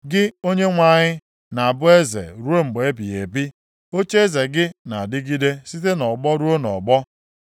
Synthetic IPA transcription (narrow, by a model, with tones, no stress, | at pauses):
ɡɪ˦o˦ɲe˦ŋʷa˦˨ɲɪ˦ | na˨a˨bʊ˦e˦zḛ˨ɾu˦e˦ŋ͡m̩˨ɡ͡be˦bi˨ḛ˨bi˦ | o˦t͡ʃe˦e˦ze˨ɡɪ˦na˨dɪ˦ɡi˦de˦si˦t̬e˦nɔ˨ɡ͡bɔ˦ɾu˦o˦nɔ̰˨ɡ͡bɔ˦